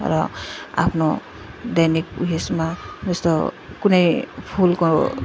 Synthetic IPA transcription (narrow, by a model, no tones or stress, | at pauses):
ɾɔa̰pʰno | d̪ajnik̚ṵɦesmad͡zʌst̪ɔ | kunejpʰulkɔ